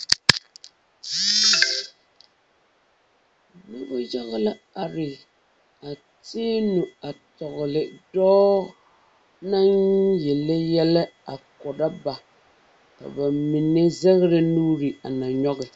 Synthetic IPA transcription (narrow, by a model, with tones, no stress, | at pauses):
nu˦bʊ˦ja˦ɣɪ˦la˦ | a˨ɾɪ˨ | a˨ | teː˦nu˨a˨tɔ˨ɣlɪ˨dɔː˦ | na˦njɛ˨lɛ˦jɛ˦la˦a˨kʊ˨da˦ba˨ | ka̰˨ba˨mi˨ne˦zɛ˦ɣɾɨ˨nuː˦ɾɨ˨a̰˨na˨ɲɔ˦ɣɪ˨